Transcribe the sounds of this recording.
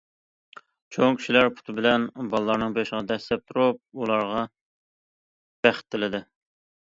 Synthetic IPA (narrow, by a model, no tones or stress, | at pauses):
t͡ʃʰoŋkʲʰy̥ʃilæɾpʰu̥t̪ʰɨbɪlɛnbɑlˠlˠɑɾnɨŋbeʃəʁɑd̪ɛslɛp̚t̪ʰuɾup̚ulˠɑɾʁɑ | b̥æχɪ̥t̪ʰːɪlɪd̪ɪ